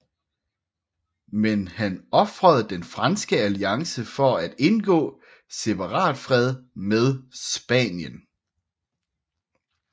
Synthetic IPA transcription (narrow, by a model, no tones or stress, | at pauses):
menhænɒ̽fʁəð̞̩ˠd̥enfʁɑnsɡ̥əæliɑ̈ŋsəfɒ̽æd̥e̝nɡ̥ɔ̰̽ː | se̝pʰɑ̈ʁɑ̰̈ːd̥fʁɛð̞ˠmeð̞ˠsb̥ɛ̰ːnjən